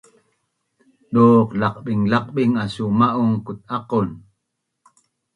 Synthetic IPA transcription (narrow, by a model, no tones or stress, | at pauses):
ɗoqlɑqɓiŋlɑq̚ɓiŋasumaʔuŋkut̪̚ʔaqun